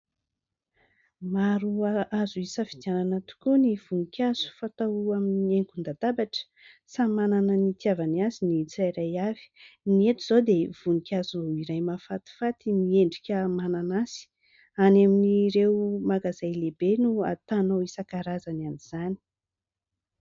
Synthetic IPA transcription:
maɾuaʔazuisəfid̪jananat̪u̥kuniv̥uŋikʲaz̥u̥fat̪awaminieŋkund̪ad̪abaʈ͡ʂə̥ | samananənit̪javaniazinit͡sajɾajav̥i̥niet̪iz̥od̪ev̥uŋikʲaziɾajmafat̪i̥fat̪imieɳɖ͡ʐikʲəmananasi̥ | anaminiɾewmaɡazajlebenua̰t̪anowisəkaɾazananiz̥ani̥

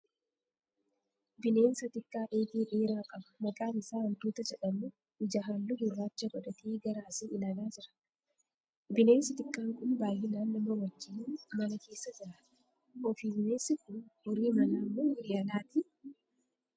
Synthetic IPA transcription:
bɪne̞ːnsɐt̪ɪkːaːʔeːɡ̪iːʔeːɾaːkʼɐbɐ̥mɐkʼaːnɪsaːɐnt̪uːt̪ɐd͡ʒɛᶑɐmːu | ɪd͡ʒɐɦaːlːʊɡʊrːaːt͡ʃːɐɡɔᶑɐt̪ʰiːɡɐɾaːsɪːʔɪnɐɡaːd͡ʒɪɾɐ̥ | bɪne̞ːnsɪt̪ʼɪkʼːaːŋkʼʊnbaːjɪnaːnːɐmːɐwɐd͡ʒːɪnːmɐnɐke̞ːsːɐd͡ʒɪɾɐ | ɔfiːbɪne̞ːnsɪkʊnhɔɾiːmɐnaːmːoːwɔɾɪɐlaːt̪ɪ

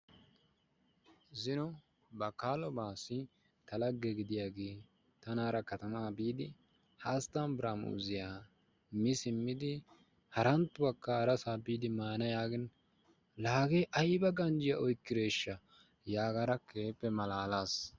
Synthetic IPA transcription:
zɪnɔ | bɐkaːlɔbaːsɪ | t̪ɐlɐɡːɛɡɪd̪ɪjaːɡe̞ː | t̪ɐnaːɾɐkɐt̪ɐmaːbiːd̪ɪ | haːst̪ːaːnbɾamṵːzɪjaː | mɪsɪmːɪd̪ɪ | hɐɾɐnt̪ːʊbɐkːɐːɾɐsaːbiːd̪ɪmaːnɐjaːɡɪn | laːɡeːʔɐjbɐɡɐnd͡ʒɪjɐʔɔjkːɪɾeːʃːɐ | jaːɡɐɾɐkʰeːpːɛmɐlaːlaːs

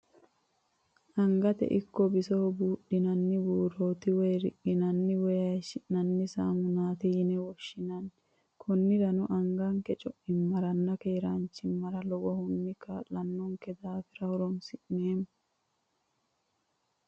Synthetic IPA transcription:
ʔɐŋɡɐt̪ɛ̰ʔɪkːɔbɪsɔɔbuːɗːɪnɐnːɪbuːɾo̞ːt̪ɪwɔjɾɪʔɪnɐnːɪwɔjɐjʃɪʔnɐnːɪsa̰ːmʊnaːt̪ɪjɪnɛwɔʃːɪnɐn | kʰɔnːɪɾɐnʊʔɐŋɡɐŋkɛt͡ʃʼɔʔɪmːɐɾɐnːɐkeːɾɐnt͡ʃːɪmːɐɾɐlɔwɔhʊnːɪkːalɐnːɔŋkɛd̪aːfɪɾɐhʊɾɔnsɪʔneːm

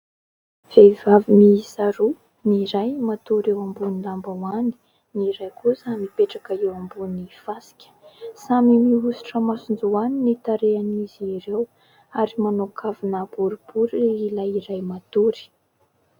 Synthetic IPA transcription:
v̥evavimiisaɾu | niɾajmat̪uɾewambunilambawani̥ | niɾajkusamipeʈ͡ʂakaewambunifasi̥kʲə̥samimiɦusi̥ʈ͡ʂəmasund͡zuaninit̪aɾeaniziɾew | aɾimanokʰavinab̥uɾub̥uɾiilajiɾajmat̪uɾi̥

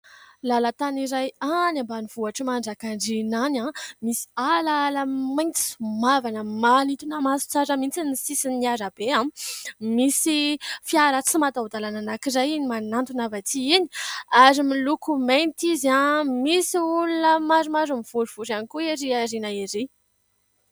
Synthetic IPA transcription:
lalat̪aniɾajanãmbaniv̥uaʈ͡ʂəmaɳɖ͡ʐakaɳɖ͡ʐinanãmisi̥alaləmajnt͡si̥mavanəmanit̪unamasu̥t͡saɾəmint͡sinisisiniaɾab̥eãmisifiaɾat͡simat̪aud̪alananakizajinimanant̪unavat̪ʰiini̥aɾimilukument̪izamisiulunəmaɾumaɾumiv̥uɾiv̥uɾanikueɾiaɾinaiɾi

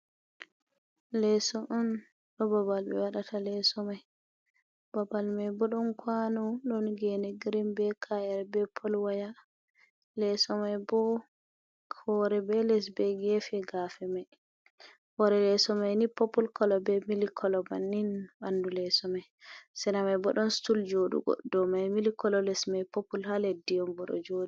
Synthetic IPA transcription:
lɛsɔʔɔn | ɗɔbabalbɛ̰waɗatʰalɛsɔmaj | babalmajbɔɗɔnkwanɔɗɔnɡɛnɛɡiɾimbɛkʰajɛɾbɛpʰɔlwaja | lɛsɔmajbɔ | hɔɾɛbɛlɛs̬bɛɡɛfɛɡafɛmaj | hɔɾɛlɛsɔmajnipɔpːulkɔlɔbɛmilikʰɔlɔbanːinbandulɛsɔmaj | sɛnamajbɔɗɔnstuld͡ʒoɗṵɡɔ̰ddɔmajmilikɔlɔlɛsmajpɔpːulhaledijɔmbɔɗɔ̰d͡ʒodu

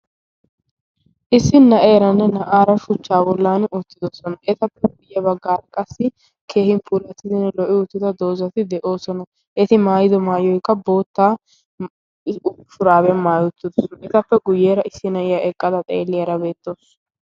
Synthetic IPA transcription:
ʔɪsːɪnːɐʔeːɾɐnːɛnɐʔaːɾɐʃʊt͡ʃːaːbɔlːaːnʊt̪ːɪd̪osɔnɐʔɛt̪ɐpːɛɡʊjːɛbɐɡːaːɾɐkʼɐsːɪ | kʰe̞ːhɪnpʰuːlɐt̪ːɪzɪnlɔʔɪʊt̪ːɪd̪ɐd̪o̞ːzɐt̪ɪd̪ɛʔo̞ːsɔnɐ | ʔɛt̪ɪmaːjɪd̪ɔmaːjɔjkːɐbo̞ːt̪ːaː | ʃʊɾaːbɛnmaːjʊt̪ːɪd̪ɔsɛt̪ɐpːɛɡʊjːeːɾɐʔɪsːɪnɐʔɪjaʔɛkʼːɐd̪ɐt̪ʼḛːlːɪjɐɾɐbe̞ːt̪ːoːs

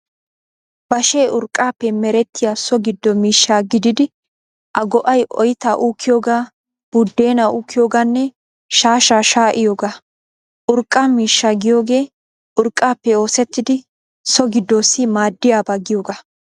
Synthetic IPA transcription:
b̥ɐʃe̞ːʔʊɾkʼːaːpːɛmɛɾɛt̪ːɪjaːsɔɡɪd̪ːɔmiːʃːaːɡɪd̪ɪd̪ɪ | ʔɐɡɔʔɐjʔɔ̰jɪt̪aːʔukʰːɪjoːɡaː | b̥ʊd̪ːe̞ːnaʔuːkʰːɪjo̞ːɡaːnːɛ | ʃaːʃaːʃaːʔɪjo̞ːɡaː | ʔʊɾkʼːaːmiːʃːaɡɪjo̞ːɡe̞ː | ʔʊɾkʼːaːpːɛo̞ːsɛt̪ːɪd̪ɪ | sɔɡɪd̪ːoːsːɪmaːd̪ːɪjaːbaːɡɪjo̞ːɡaː

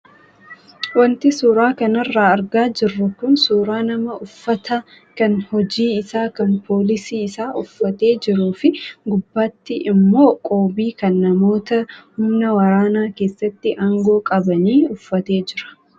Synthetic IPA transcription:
wɐnt̪ɪsuːɾaːkɐnɐrːaːɐɾɡaːd͡ʒɪrːʊkʊnsuːɾaːnɐmɐʊfːɐt̪ɐ | kɐnhɔd͡ʒiːɪsaːkɐnpʰo̞ːlɪsiːɪsaːʔʊfːɐt̪e̞ːd͡ʒɪɾuːfɪɡʊbːaːt̪ːɪʔɪmːo̞ːkʼoːbiːkɐnːɐmo̞ːt̪ɐhʊmnɐwɐɾaːnaːke̞ːsːɐt̪ːɪʔaːŋɡo̞ːkʼɐbɐniːʊfːɐt̪e̞ːd͡ʒɪɾɐ̥

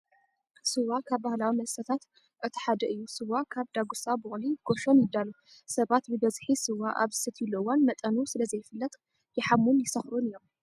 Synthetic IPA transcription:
sɨwakʰaβbahlawimɐsɐt̪ʰat̪ | ʔɨt̪ʰħad̪ɐʔɨjːusɨwakʰaβd̪aɡusabɨxliɡ̥o̞ʃo̞njɪd̪ːalu | sɐβat̪bɨbɐzħisɨwaʔa̰βzɨsɨt̪ʰjilowanmɐt̪ʼɐnusɨlɐzɐjːɪfɨlːɐt̪ʼ | jɛħamːunjɪsɐxɾunɨjo̞m

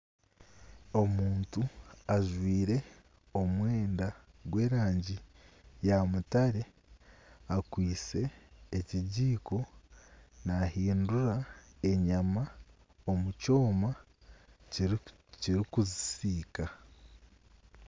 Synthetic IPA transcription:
o̞muːntuaʒwiːɾe̞ | o̞mwe̞ːndaɡwe̞ːɾaːɲɟijamutaɾe̞ | akwiːse̞ːciɟiːko̞ | nahiːnduɾae̞ɲama | o̞muco̞ːma | ciɾikuzisiːka

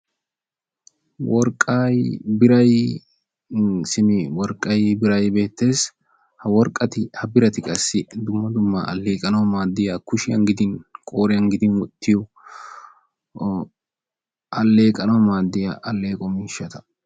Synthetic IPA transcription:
wɔɾkʼːaːjbɪɾɐj | sɪmɪwɔɾkʼːɐjbɪɾɐjbe̞ːt̪ːe̞ːs | hɐwɔɾkʼːɐt̪ɪhɐbɪɾɐt̪ɪkʼɐsːɪd̪ʊmːɐd̪ʊmːɐʔɐ̰lːeːkʼɐnɐwmaːd̪ːɪjaːkʊʃɪjɐ̰nɡɪd̪ɪnkʼo̞ːɾɪjɐŋɡɪd̪ɪnwɔt̪ʰːɪjɔ | ʔɐlːeːkʼɐnɐwmaːd̪ːɪja̰ʔɐlːe̞ːkʼɔmiːʃːɐt̪ɐ̥

